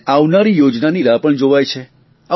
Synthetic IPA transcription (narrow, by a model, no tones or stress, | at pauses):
aʋnaɾijod͡ʒnaniɾapəɳd͡ʒoʋajt͡ʃʰe | a